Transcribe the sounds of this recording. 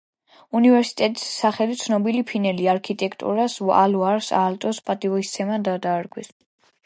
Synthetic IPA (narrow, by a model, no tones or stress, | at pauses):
univɛɾsi̥t̪ʼɛt̪ʼi̥sːaχɛlit̪sʰnɔbilipʰinɛliaɾkʰit̪ʼɛkʰt̪ʼṵɾasaluaɾsa̰lt̪ʼɔspʼat̪ʼivɔist̪sʰɛmad̪ad̪aːɾɡwis